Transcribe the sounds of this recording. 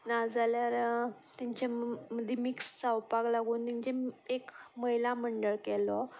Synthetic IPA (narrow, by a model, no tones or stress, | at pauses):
nad͡zaljaɾ | t̪jaɲt͡ɕaməd̪ʱːemikst͡sawpaklaɡuːnt̪iɲt͡ɕeekməjlaməɳɖəɭkɛlɔ